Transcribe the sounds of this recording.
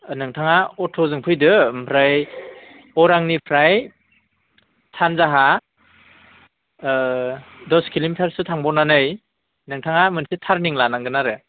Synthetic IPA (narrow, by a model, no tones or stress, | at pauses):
nɯŋtʰaŋaɔtʰɔzɯŋpʰɯjdɯmpʰɾaj | ɔɾaŋnipʰɾaj | tʰanzaɦa | dɔskʰilimpʰeɾsɯtʰaŋbɔnanɯj | nɯŋtʰaŋamɯnsitʰaɾniŋlanaŋɡɯnaɾɯ